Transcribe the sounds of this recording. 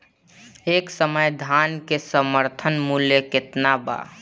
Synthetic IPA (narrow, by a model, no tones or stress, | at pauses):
eːksəməjd̪ʱankesəməɾt̪ʰənmuljekɪt̪naba̰